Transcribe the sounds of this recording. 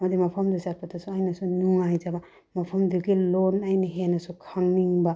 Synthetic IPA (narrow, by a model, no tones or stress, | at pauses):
mɐd̪imapʰamd̪usat̚pʰatʰasuajnasunuŋajzaba | mapʰamduɡilonajniɦenɐsukʰaŋnːiŋba